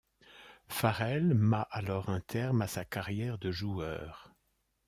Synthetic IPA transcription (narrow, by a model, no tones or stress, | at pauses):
faʁɛlmaʔalɔʁɛ̃t̪ʰɛʁmasakaʁjɛʁd̪əʒuœ̰ːʁ